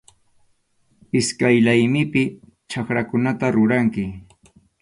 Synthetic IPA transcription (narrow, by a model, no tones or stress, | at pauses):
ɪskajlajmɪpɪ | t͡ʃakɾakʊnat̪aɾʊɾaŋkɪ